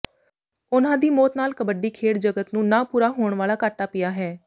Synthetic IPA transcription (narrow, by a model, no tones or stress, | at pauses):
ʊnãːd̪iːmɔːt̪naːlkəbəɖiːkʰeːɽd͡ʒəɡət̪nũːnãːpuːɾaːɦoːɳʋaːlaːkaːʈaːpɪjaːɦɛː